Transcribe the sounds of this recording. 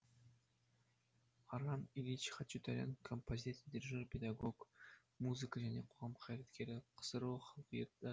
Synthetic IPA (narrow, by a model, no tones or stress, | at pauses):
ɑɾɑmilʲit͡ʃχɑt͡ʃːut̪ʰaɾʲa̰nkʰompozʲit̪d̪ʲiɾʲiʒalpʲed̪aɡok | muzɨkəʒæneqʰoʁɑmqʰɑjɾat̪kʲe̞ɾɪqʰə̥sɨɾoχɑlˠqijɑt̪ɑ